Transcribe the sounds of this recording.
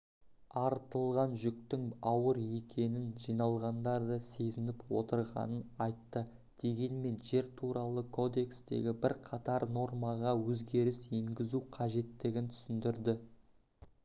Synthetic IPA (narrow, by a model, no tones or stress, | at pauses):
ɑɾt̪əlˠʁɑnʒʏk̚t̪ɪŋɑwəɾe̞kʲʰe̞nɪnʒijnɑlˠʁɑnd̪ɑɾd̪əse̞zɪnɪpwo̞t̪əɾʁɑ̰nənɑjt̪ːə | d̪̥e̞ɡʲe̞nme̞nʒe̞ɾt̪ʰuɾɑlˠəkʰo̞d̪e̞kst̪e̞̰ɡʲɪbɪɾqʰɑt̪ɑɾno̞ɾmɑʁɑwɵzɡʲe̞ɾɪse̞ŋɡʲɪzuqʰɑʒe̞t̪ːɪɡʲɪnt̪ʰʏ̥sɪnd̪ɪɾd̪ɪ